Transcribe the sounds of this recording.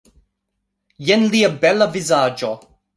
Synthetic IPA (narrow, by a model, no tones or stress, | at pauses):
jɛnliəbɛlavizaːd͡ʒɔ